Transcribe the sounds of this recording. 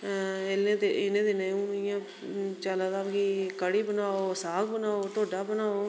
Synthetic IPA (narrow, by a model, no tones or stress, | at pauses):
ɪleːd̪eɪnẽːd̪eneũːɪjãː | t͡ʃaːlaːd̪aːkikəɽiːbənaːoːsaːkbənaːoːt̪oːɖaːbənaːoː